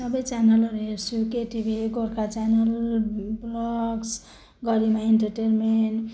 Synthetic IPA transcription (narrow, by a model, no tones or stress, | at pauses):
sʌbʌjt͡ʃanʌlʌɾuɦeɾt͡sʰukeʈibʱiɡoɾkat͡sanʌlblɔɡs | ɡʌɾimaenʈʌɾʈenmeɳʈ